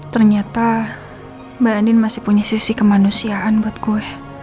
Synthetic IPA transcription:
t̪ərɲat̪a | baandɪnmasɪ̥puɲasisikəmanusiaanbuat̪̚ɡuɛ

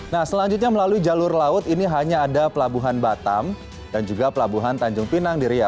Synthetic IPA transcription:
nahsəlaɲd͡ʒʊt̪̬̚ɲaməlaluid͡ʒalʊrlaʊt̪iniɦaɲaːdapəlabuɦanbat̪a̰m | d̥and͡ʒuɡapəlabuɦant̪aɲd͡ʒʊŋpinaŋdiɾia

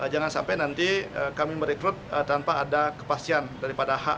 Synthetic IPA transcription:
əd͡ʒaŋansa̰mpajnant̪iəkamiməɾekɾʊt̪̚ət̪anpaːdakə̥past̪iandaɾipadaha̰ʔ

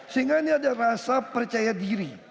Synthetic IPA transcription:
səiŋɡainiadaɾasapərt͡ʃajadiɾi

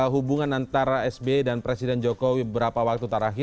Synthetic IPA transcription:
ɦubuŋanant̪aɾaɛsbedanpɾesidɛnd͡ʒokowiəbəɾapawak̚t̪ut̪aɾaɦi

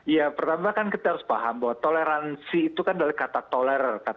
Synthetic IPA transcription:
japərt̪amakankit̪ahaɾʊspaɦambawat̪oleɾansiːt̪ukandalakat̪at̪olɛɾərkat̪

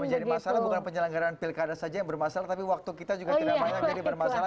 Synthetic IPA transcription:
məɲd͡ʒadimasalabukanpəɲələŋɡaɾanpilkadasad͡ʒajaŋbərmasalat̪apiwak̚t̪ukit̪ad͡ʒuɡat̪idapaad͡ʒadibərmasala

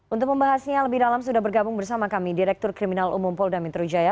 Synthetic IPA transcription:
ʔunt̪ʊk̚məmbaɦasɲaləbɪhdalams̬udaɦbərɡabʊŋbərsamakamidiɾɛk̚t̪ʊrkɾiminalʔṵmʊmpɔldanmɛt̪ɾud͡ʒaja

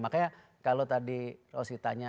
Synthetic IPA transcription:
makaja | kalot̪adiosit̪aɲa

